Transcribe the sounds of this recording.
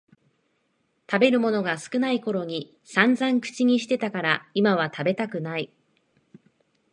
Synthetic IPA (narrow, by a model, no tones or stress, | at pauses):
t̪abe̞ɾɯ̟mo̞no̞ɡasɨ̥kɯ̟naiko̞ɾo̞ɲ̟i | sãnd͡zãŋkɯ̟̥t͡ɕiɲ̟iɕi̥t̪e̞t̪akaɾaimaβ̞at̪ʰabe̞t̪akɯ̟nai